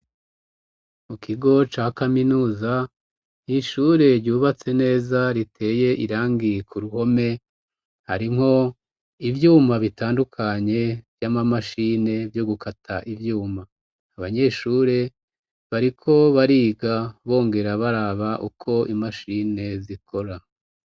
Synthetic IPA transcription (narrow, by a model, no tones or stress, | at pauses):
mukiɡo̞t͡ʃaːkaminuːza | iʃuːɾe̞ɾɟuːβat͡se̞ne̞ːzaɾitʰe̞ːje̞ʔiɾaːŋɡikʰuɾuho̞me̞ | haɾimho̞ | ivjuːmaβitaːndukʰaɲe̞vjamamaʃine̞vjo̞ɡukʰatʰaʔivjuːmaː | βaɲe̞ʃuːɾe̞ | βaɾikʰo̞βaɾiːɡaβo̞ːŋɡe̞ɾaβaɾaːβaʔukʰo̞ʔimaʃine̞zikʰo̞ɾa